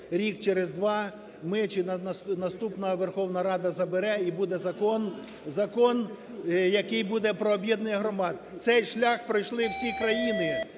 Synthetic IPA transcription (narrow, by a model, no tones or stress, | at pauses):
ɾʲikt͡ʃeɾezd̪ʋɑ | mɪt͡ʃɪnɐst̪upnɐʋerxɔwnɐɾɑd̪ɐzɐbɪɾɛibud̪ɛzɐkɔn | zɐkɔn | jɐkɪjbud̪ɛpɾɔːbʲjɛd̪nejɐɦɾɔmɑd̪ | t̪sɛjʃlʲaxpɾɪjʃlˠɪwsʲikɾɐjinɪ